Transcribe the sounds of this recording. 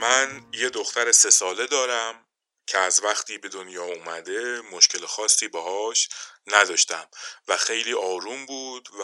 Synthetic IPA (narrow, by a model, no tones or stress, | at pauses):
mænje̞d̪o̞xt̪æɾese̞sɒːle̞d̪ɒːɾæm | cʰeæzvæxt̪ʰiːbe̞d̪onjɒːuːmæd̪e̞mo̞ʃcʰe̞lexɒːsːiːbehɒːʃnæd̪ɒːʃt̪æmvæxe̞jliːʔɒːɾuːmbuːd̪̥v